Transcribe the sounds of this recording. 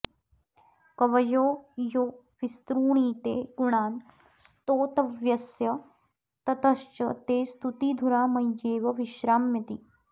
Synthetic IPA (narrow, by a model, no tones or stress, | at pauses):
kɐʋɐjoːjoː | ʋist̪ɾuːɳ̃iːt̪eːɡuɳaːn | st̪oːt̪ɐʋjɐsjɐ | t̪ɐt̪ɐʃt͡ʃɐt̪eːst̪ut̪iːd̪ʱuɾaːmɐjjeːʋɐʋiʃɾaːmjɐt̪i